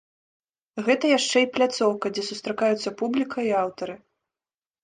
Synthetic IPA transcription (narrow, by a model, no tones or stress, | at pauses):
ɣɛt̪ɐjaʂt͡ʂɛiplʲat̪sɔwkɐd͡zʲɛsust̪ɾakajut̪sːɐpublʲikʰɐiawt̪ɐɾɨ